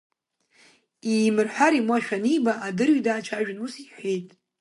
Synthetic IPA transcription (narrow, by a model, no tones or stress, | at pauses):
imɨrħʷᶣaɾimwaʃᶣanibaʔːdɨrɥidaːt͡ʃʷʰaʒᶣɪnusiħʷejtʼ